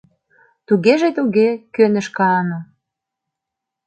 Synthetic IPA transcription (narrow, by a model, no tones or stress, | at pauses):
t̪uɣeʒet̪uɣekønə̆ʃkɑno